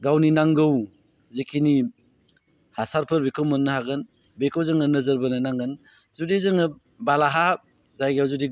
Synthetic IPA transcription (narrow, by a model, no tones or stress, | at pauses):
ɡawninaŋɡɯw | zekʰini | hasaɾpʰɯɾbekʰowmɔnːɯhaɡɯn | bekʰowzɯŋɐnɐzɐɾbɐnɐnaŋɡɯn | zudezɯŋɯ | balaɦa | zajɡawzudi